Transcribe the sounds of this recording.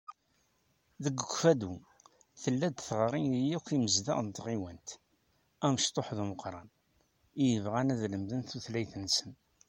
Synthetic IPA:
ðəɡəkʷːfæd̪u | θəlːæd̪θʁɾˤinijikiməzðæ̰ʁnt̪ʁiwænt̪ | æmʃt̪ˤoħðuməqɾˤɑn | ijəvʁænæðləmðənθuθlæjθənːsən

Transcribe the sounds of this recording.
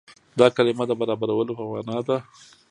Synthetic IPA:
d̪ɑkalɪmad̪əbaɾɑbaɾawəlopəwɑ̰nɑd̪a

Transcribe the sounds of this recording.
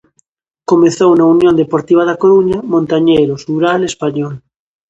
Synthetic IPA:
komẽθownaunjõnd̪epoɾt̪iβ̞aðakoɾuɲamõnt̪aɲejɾosuɾalespaɲɔl

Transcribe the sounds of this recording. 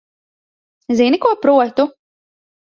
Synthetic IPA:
zinikuɔpɾuɔt̪u

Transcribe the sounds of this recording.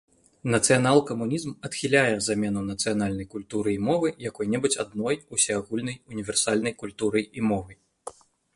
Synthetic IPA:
nɐt̪sɨjanalˠkɐmunʲizmɐt̪xʲilʲajɛzamʲɛnunɐt̪sɨjan̪alʲnɐjkulʲt̪uɾɨimɔvɨjakɔjnʲɛbɨt͡sʲad̪nɔjusʲɛaɣulʲnɐjunʲivʲɛrsalʲnɐjkulʲt̪uɾɨimɔvɨ

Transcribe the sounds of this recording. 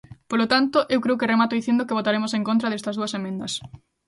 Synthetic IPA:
polot̪ant̪oʔewkɾewkeremat̪oðiθend̪okeβot̪aɾemoseŋkõnt̪ɾɐðest̪ɐzðuɐsemẽnd̪ɐs

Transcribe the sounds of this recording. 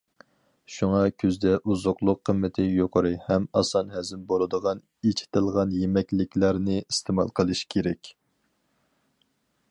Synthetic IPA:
ʃuŋɑkʲʰyzd̪ɛʔuzʊqlˠʊqʰːəmːɪt̪ʰɪjoqʰəɾɨhɛmɑsɑnɦɛzɪmbolˠɨd̪əʁɑn | et͡ʃʰɪ̥t̪ɪlˠʁɑnjemɛkʲlɪkʲlæɾnɪist̪ʰemɑ̰lˠqʰəlˠɨʃkʲʰeɾɛkʲ

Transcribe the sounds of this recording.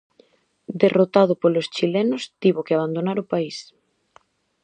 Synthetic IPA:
d̪erot̪að̞ʊpolost͡ʃilɛnʊst̪iβokeaβ̞and̪onaɾʊpais

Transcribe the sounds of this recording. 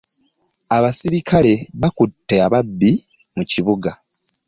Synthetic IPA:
aβasiɾikʰale̞βakutːe̞aβabːi | muciβuɡa

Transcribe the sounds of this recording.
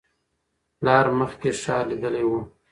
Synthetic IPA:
lɑːɾməxkeʂɑːlid̪əlewu

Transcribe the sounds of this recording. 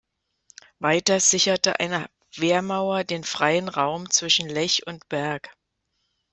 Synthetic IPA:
vaɪtɐz̥ɪçɐtəʔa̰ɪnə | v̥eːɐmaʊɐdeːnfʁ̥aɪənʁaʊmt͡sv̥ɪʃn̩lɛçʊntb̥ɛɐk

